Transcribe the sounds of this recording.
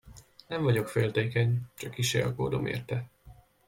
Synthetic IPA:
nɛɱvɒɟo̞kfeːlt̪eːkɛɲt͡ʃɒkːiʃḛɒkoːd̪o̞mʔḛːrt̪ɛ

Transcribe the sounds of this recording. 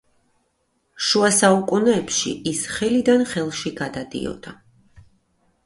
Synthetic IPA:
ʃuasaukʼunɛːpʃḭʔisχɛlid̪anχɛlˠʃiɡad̪ad̪ḭɔ̰d̪̥a

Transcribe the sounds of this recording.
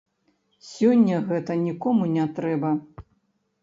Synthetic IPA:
sʲɔnʲːɐɣɛt̪ɐnʲikɔmunʲat̪ɾɛbɐ

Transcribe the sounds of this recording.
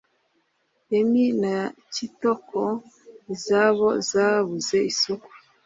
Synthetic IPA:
eminacitokʰo | izaβo̞zaβuze̞isoku̥

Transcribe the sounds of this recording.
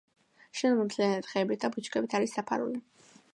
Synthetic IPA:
ʃɛnmɔt̪ʰlianɛt̪χɛːbit̪̚ʰd̪abut͡ʃʰʼkʼɛbit̪ʰaɾisːapʰa̰ɾṵli

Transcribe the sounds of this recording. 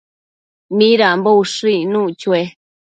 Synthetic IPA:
mĩɾambouʂɨ̃inũt͡ʃue

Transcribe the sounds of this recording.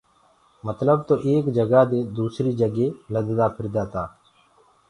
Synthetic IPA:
mət̪ləb̚t̪oːʔeːkd͡ʒəɡaːd̪eːd̪uːsɾiːd͡ʒəɡeːləd̪d̪aːpʰɪɾd̪aːt̪aː

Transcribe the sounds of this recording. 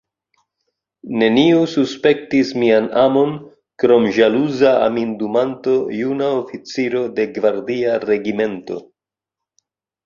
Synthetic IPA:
ne̞niususpe̞ktismianamo̞n | kɾo̞mʒaluzaa̰mindumanto̞junaofit͡siɾo̞de̞ɡvaɾdiaɾe̞ɡime̞nto̞̰

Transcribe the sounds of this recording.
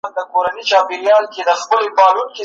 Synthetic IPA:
nd̪əkoɾanit͡ʃɑpeɾjɑlked̪əxpəlebɑɾunke

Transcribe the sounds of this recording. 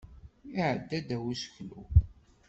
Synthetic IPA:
iʕəd̪ːæd̪æwisə̥çlṵ

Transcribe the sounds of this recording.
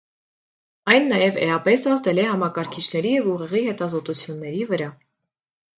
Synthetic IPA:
ɑjnːɑjɛvɛ̰ɑpɛsɑzd̪ɛlɛhɑmɑkɑɾkʰit͡ʃʰnɛɾijɛvuʁɛʁihɛt̪ɑzɔt̪ut͡sʰjunːɛɾivəɾɑ

